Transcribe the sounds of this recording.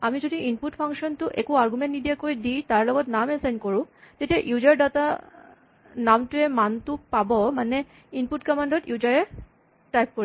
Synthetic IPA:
amid͡ʑod̪iinpuʈfʰaŋʃont̪uʔekuaɾɡumẽnʈnid̪iekoɾid̪ijt̪aɾlɔɡot̪namensajnkoɾũd͡ʑeʈeʔjud͡ʑaɾɖat̪a | namʈuemant̪upabomane | inpuʈkɔmaɳɖoʈjud͡ʑaɾe | ʈajp̚koɾ

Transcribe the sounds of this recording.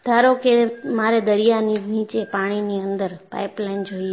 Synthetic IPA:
d̪̥ʱaɾokemaɾed̪əɾijaninit͡ʃepaɽ̃iniənd̪əɾpa̰jplajnd͡ʒoie

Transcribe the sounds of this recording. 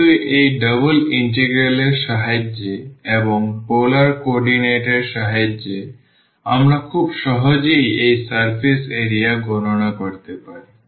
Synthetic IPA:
uʔejɖəboliɳʈeɡɾeleɾʃaɦad͡ʑeeboŋpolaɾkoɔɾɖineʈeɾʃaɦad͡ʑe | amɾakʰubʃɔɦod͡ʑejejsaɾpʰiseɾijaɡononakoɾt̪epaɾi

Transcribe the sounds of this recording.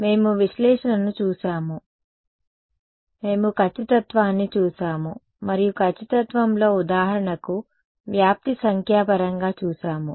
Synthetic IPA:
me̞ːmuʋiʃlɛːʂɐnɐnut͡ʃuːʃaːmu | me̞ːmukʰɐt͡ʃːɐt̪ɐt̪ʋaːnːit͡ʃuːʃaːmu | mɐɾijukʰɐt͡ʃːit̪ɐt̪ʋɐmlo̞ːud̪aːɦɐɾɐɳɐku | ʋjaːp̚t̪isɐŋkʰjaːpɐɾɐŋɡaːt͡ʃuːʃaːmṵ

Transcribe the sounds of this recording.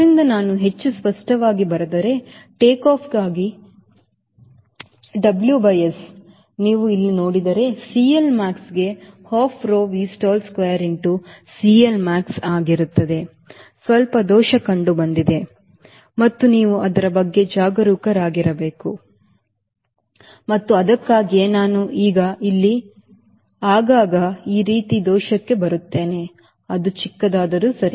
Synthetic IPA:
d̪ɾind̪ɐnaːnuɦe̞t͡ʃːuspɐʂʈɐʋaːɡibɐɾɐd̪ɐɾe̞ʈeːkaːpʰɡaːɡi | ɖɐbljubɐjes | niːʋuilːino̞ːɽid̪ɐɾe̞siːɐlmaːksɡe̞haːpʰɾoːʋiːsʈaːlskʋejɐɾiɳʈusiːɐlmaːksaːɡiɾut̪ːɐd̪e̞ | sʋɐlpɐd̪ɔːʃɐkɐɳɖubɐnd̪id̪e̞ | mɐt̪ːuniːʋuʔɐd̪ɐɾɐbɐɡːe̞d͡ʒaːɡɐɾuːkɐɾaːɡiɾɐbeːku | mɐt̪ːuɐd̪ɐkːaːɡienaːnuʔiːɡɐilːi | aːɡaːɡɐiːɾiːt̪id̪ɔːʃɐkːe̞bɐɾut̪ːe̞ːne̞ | ɐd̪ut͡ʃikːɐd̪aːd̪ɐɾusɐɾi

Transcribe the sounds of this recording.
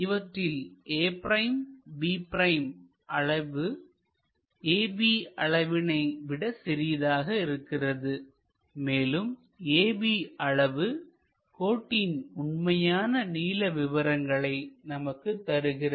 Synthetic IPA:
ɪʋɐʈrɪlʔeːpɾɐjmbiːpɾɐɪm | ʔɐɻɐʋɯ | eːbiːɐɭɐʋɪnɐɪʋɪɽɐsɪɾɪjɐðaːɣɐɪɾɯkːɪrɐðɯ | meːlɯm | eːbiːɐɭɐʋɯ | koːʈːinʊɳmɐjaːnɐniːlɐʋɪʋɐɾɐŋɡɐɭɐɪnɐmɐkːɯt̪ːɐɾɯɣɪrɐ

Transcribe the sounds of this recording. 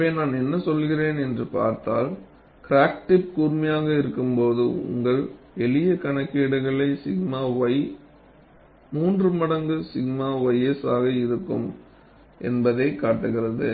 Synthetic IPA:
eːnaːnɛnːɐsɔlːɣɪreːnɛndrɯpa̰ːɾt̪aːl | kɾaːk̚ʈɪp̚kuːɾmɐjaːɣɐɪɾɯkːɯmpoːðɯʊ̰ŋɡɐɭ | ɛɭɪjɐkɐɳɐkːiːɽɐɪɣɐɭɐɪsɪɣmaːʋɐɪ | muːndrɯmɐɽɐŋɡɯsɪɣmaːʋɐjɛsaːɣɐɪɾɯkːɯ̰m | ʔɛ̰nbɐðɐɪkːaːʈːɯɣɪrɐðɯ

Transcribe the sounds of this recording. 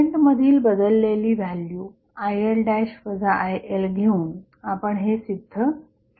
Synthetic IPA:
eɳʈməd̪ʱiːlbəd̪əlːeliːʋʱaljuː | ajəlɖajɕfəd͡zaʔajelɡʱeuːn | apəɳɦesid̪ʱːə

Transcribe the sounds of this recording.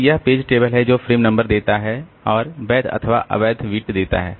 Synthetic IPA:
jɐɦpeːd͡ʒʈeːbəlɦɛd͡ʒoːfɾiːmnɐ̃mbəɾd̪eːt̪aɦɛɔːɾbɛːd̪ʰɐ̰t̪ʰəʋaʔɐ̰bɛːd̪ʱʋiːʈd̪eːt̪a̰ɦɛ̰ː

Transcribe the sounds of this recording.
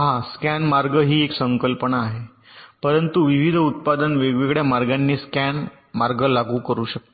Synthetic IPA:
ɦãskænmaɾɡəɦiːeksəŋkəlpənaːɦe | pəɾənt̪uʋiʋid̪ʱut̪̚pad̪ənʋeʋeɡɭjamaɾɡanːiːskæn | maɾɡəlaɡuːkəɾuːɕək̚t̪o

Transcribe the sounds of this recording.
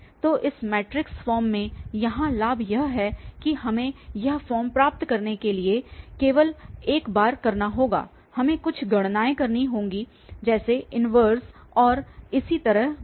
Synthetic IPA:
t̪oːʔɪsmɛːʈɾɪksfɔːɾmːẽjɐɦãlaːbʱjɐɦɦɛːkihɐmẽjɐɦfɔːɾmpɾaːp̚t̪kɐɾnekeliekeːʋəleːkbaːɾkɐɾnaɦoːɡa̰ː | hɐmẽkʊt͡ʃʰɡɐɽ̃naːekɐɾniɦõːŋɡi | d͡ʒɛːseʔɪnʋəːɾsɔːɾɪsit̪ɐɾəɦ

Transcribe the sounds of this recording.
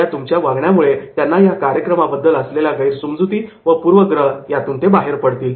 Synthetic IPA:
at̪umt͡ɕjaʋaɡɳjamuɭet̪janːajakaɾjəkɾəmabəd̪ːələsleljaɡəiɾsumd͡zut̪iːʋəpuːɾʋəɡɾəɦjat̪uːnt̪ebaɦeɾpəɽt̪iːl

